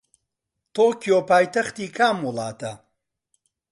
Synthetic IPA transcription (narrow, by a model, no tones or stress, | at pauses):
t̪oːkijopaːjt̪ɐxt̪iːkʰaːmːulˠɑːt̪ɐ